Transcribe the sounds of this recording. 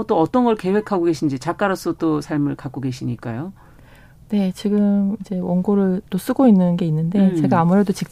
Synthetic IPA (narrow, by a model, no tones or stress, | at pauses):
t͈oʌt͈ʌnɡʌɭke̞we̞kʰaɡoɡe̞ɕʰind͡ʑit͡ɕak͈aɾʌs͈ʌt͈osʰaɭmɯɭkak͈oɡe̞ɕʰiɲik͈a̰jo | ne̞t͡ɕiɡɯmid͡ʑe̞wʌnɡoɾɯɭt͈os͈ɯɡoinːɯnɡe̞inːɯnde̞t͡ɕe̞ɡaːmuɾe̞dot͡ɕik̚t͡ɕ